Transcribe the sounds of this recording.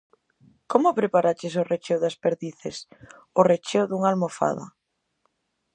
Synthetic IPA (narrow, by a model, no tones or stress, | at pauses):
komʊpɾepaɾat͡ʃɪs̬ʊret͡ʃewðaspeɾðiθes | ʊret͡ʃewðuŋalmofa̰ða̰